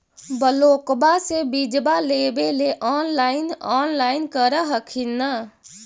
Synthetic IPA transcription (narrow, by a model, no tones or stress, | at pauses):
bəloːkbasebid͡ʒbaleːbeleʔɔːnlaːɪnɔːnlaːɪnkəɾəɦəkʰinːə